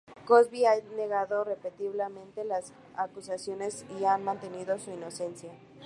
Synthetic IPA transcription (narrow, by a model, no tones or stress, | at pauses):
kozβiane̞ɣaðo̞re̞pet̪iβlemẽ̞nt̪elas | akusasjone̞sianmãnt̪e̞niðo̞suino̞se̞nsja